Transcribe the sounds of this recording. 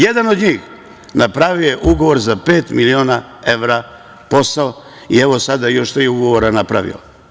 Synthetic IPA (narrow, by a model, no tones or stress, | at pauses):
jed̪ano̞d̪ɲiːx | napɾaʋiojeʔuɡo̞ʋo̞ɾzape̞ːt̪milioːna | eʋɾa | po̞sao | ie̞ʋo̞sad̪ajo̞ʃt̪ɾiuɡo̞ʋo̞ɾanapɾa̰ʋḭo̰